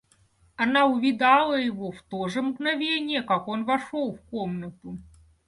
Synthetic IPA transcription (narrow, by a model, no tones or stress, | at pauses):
ɐnaʊvʲɪd̪ɑlˠəjɪvoft̪oʐəmɡnavʲenʲɪjəkakonvɐʂolˠfkomnət̪ʊ